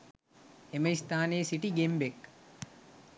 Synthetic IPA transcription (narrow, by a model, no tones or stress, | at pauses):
emɐist̪aːneːsiʈiɡembek